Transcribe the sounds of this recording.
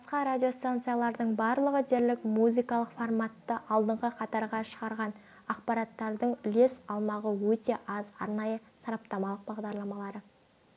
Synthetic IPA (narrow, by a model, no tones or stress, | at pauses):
bɑsqɑɾadʲijo̞st̪ant̪sɨjalˠɑɾd̪əɴbɑɾlˠəʁəd̪e̞ɾlɪkmuzijkɑlˠəqformat̪ːəʔɑlˠd̪əɴʁəqʰɑt̪ɑɾʁɑʃəʁɑɾʁɑn | ɑqpɑɾɑt̪ːɑɾd̪əɴʏle̞sɑlˠmɑʁəwɵt̪e̞ʔɑzɑ̰ɾnɑjəsɑɾɑp̚t̪ɑmɑlˠəq̚bɑʁd̪ɑɾlˠɑmɑlˠɑɾə